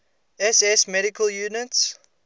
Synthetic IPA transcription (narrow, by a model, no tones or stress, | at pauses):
ɛsɛsmɛɾɪkəljuːnɪts